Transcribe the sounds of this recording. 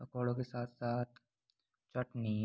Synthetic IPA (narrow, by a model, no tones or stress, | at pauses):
pɐkoːɽõkesaːt̪ʰsaːt̪̚ʰ | t͡ʃɐʈniː